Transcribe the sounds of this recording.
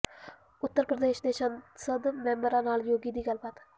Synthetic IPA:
ʊt̪ːəɾpɾəd̪eːʃnesənsəd̪mɛmbəɾãːnaːljoːɡid̪iːɡəlpət̪

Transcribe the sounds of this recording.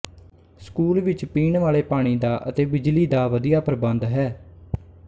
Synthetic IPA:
skuːlʋɪt͡ʃpiːɳʋaːleːpaːɽ̃iːd̪aːʔə̰t̪eːbɪd͡ʒliːd̪aːʋəd̪ijaːpɾəbənd̪ɦɛː

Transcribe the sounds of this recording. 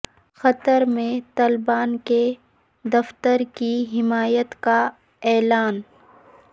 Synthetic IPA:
xɐt̪əɾmẽt̪aːlɪbaːnke | d̪ɐft̪əɾkiɦɪmaːjət̪ka | ɛːlaːn

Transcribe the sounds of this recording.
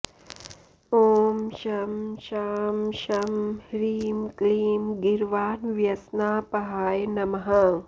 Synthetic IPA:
oːmʃɐmʃaːmʃɐmhɾiːmkliːmɡiɾʋaːnʋjɐsnaːpɐɦaːjnɐmɐɦɐ

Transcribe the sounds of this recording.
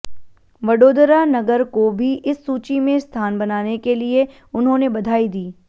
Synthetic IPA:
ʋɐɖoːd̪əɾanɐɡəɾkobʱiʔɪsːuːt͡ʃimẽst̪ʰaːnbɐnaːnekelie | ʊnɦõnebɐd̪ʱaːid̪iː

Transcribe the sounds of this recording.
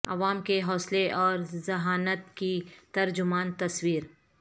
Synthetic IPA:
ɐ̰ʋaːmkeɦɔːsleʔɔːɾzɐɦaːnət̪kit̪ɐɾd͡ʒʊmaːnt̪ɐswiːɾ

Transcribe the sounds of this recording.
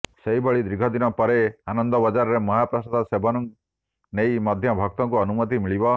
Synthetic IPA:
seibɔɭid̪ɾiɡʱɔd̪inɔpɔɾeanɔnd̪ɔbɔd͡ʒaɾɔɾemɔɦapɾɔsad̪ɔsebʱɔnɔŋ | nejmɔd̪ʱjɔbʱɔk̚t̪ɔŋkuɔnumɔt̪̬imiɭibɔ

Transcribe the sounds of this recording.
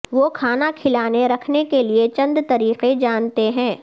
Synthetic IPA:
ʋokʰaːnakʰɪlaːneɾɐkʰnekeliet͡ʃɐ̃nd̪t̪ɐɾiːqed͡ʒaːnt̪eɦɛ̃ː

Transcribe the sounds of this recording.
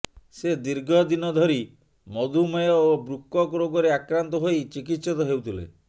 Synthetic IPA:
sed̪iɾɡʱɔd̪inɔd̪ʱɔɾi | mɔd̪ʱumɔjɔobɾukːɔkɔɾoɡɔɾeakɾant̪ɔɦojt͡ʃik̬it̪sɔt̪ɔɦewt̪ʰilḛ

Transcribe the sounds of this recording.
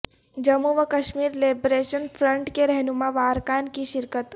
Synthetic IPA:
d͡ʒɐmuʋəkɐʃmiːɾleːbɾeːʃənpʰɾə̃ɳʈkeɾɛɦnumãʋaːɾkaːnkiʃɪɾkət̪

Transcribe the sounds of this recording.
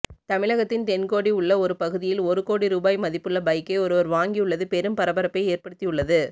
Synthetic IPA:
t̪ɐmɪɭɐɣɐt̪ːɪnt̪ɛnkoːɽiʊɭːɐɔɾɯpɐɣɯðɪjɪlɔɾɯkoːɽiɾuːbaːjmɐðɪpːɯɭːɐbɐɪkːɐɪɔɾɯʋɐɾʋaːŋɡijɯɭːɐðɯpɛɾɯmpɐɾɐbɐɾɐpːeɪeːɾpɐɽɯt̪ːɪjɯɭːɐðɯ

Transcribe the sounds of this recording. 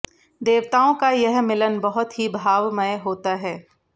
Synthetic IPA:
d̪eːʋt̪aːõkajɛɦmɪlənbɐɦʊt̪ɦibʱaːʋməjɦoːt̪aɦɛː

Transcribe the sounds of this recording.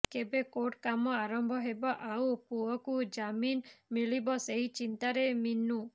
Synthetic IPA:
kebekoʈkamɔaɾɔmbʱɔɦebɔʔawpuɔkud͡ʒaminmiɭibɔseɦit͡ʃint̪aɾeminːu

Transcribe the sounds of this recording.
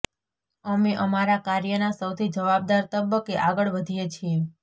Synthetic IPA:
əmeʔəmaɾakaɾjənasəwt̪ʰid͡ʒəʋab̚d̪aɾt̪əbəkeʔaɡəɭʋəd̪ʱijet͡ʃʰie

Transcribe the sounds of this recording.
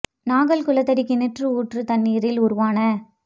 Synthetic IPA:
naːɣɐlkʊlɐt̪ːɐɽɪkːɪnɪʈrɯuːʈrɯt̪ɐnːiːɾɪlʊɾʊʋaːnɐ

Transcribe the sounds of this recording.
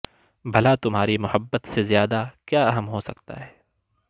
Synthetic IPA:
bʱɐlat̪ʊmɦaːɾimʊhəbːət̪sezjaːd̪akjaːɐɦəmɦosɐkt̪a̰ɦɛː

